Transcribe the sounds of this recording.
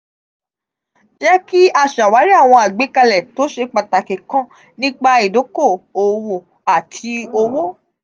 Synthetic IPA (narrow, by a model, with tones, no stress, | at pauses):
d͡ʒɛ˦ki˦a˧˨ʃa˨wa˨˦ɾi˦a˦˨w̃ɔ̃˧a˨ɡ͡be˨˦ka˧lɛ˨to˨˦ʃe˧k͡pa˨ta˨ke˨kã˦ | nĩ˦k͡pa˧i˨do˨˦ko˦˨o˨wo˨ | a˨tʰi˧o˧wo˦